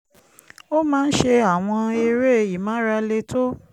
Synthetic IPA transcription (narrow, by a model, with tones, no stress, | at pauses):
o˦mãː˦n̩˦ʃe˧a˦˨w̃ɔ̃˧e˧ɾe˦˨i˨mã˨˦ɾa˧le˧tʰo˦